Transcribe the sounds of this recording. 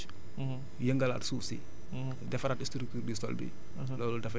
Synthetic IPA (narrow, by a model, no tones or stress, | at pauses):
jəŋɡala̰ːtsusḭ | dɛfɾatistɾuk̚tuɾdisɔ̰ldḭ | lɔːlɔdɛf